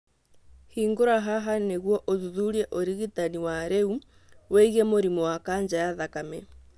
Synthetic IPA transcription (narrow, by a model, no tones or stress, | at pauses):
hiːŋɡoɾaɦaɦaneɣwɔʔoðuðuɾiɛʔoɾiɣitaniwaɾeu | wɛɣiemoɾimɔwakaːɲd͡ʒajaðakamɛ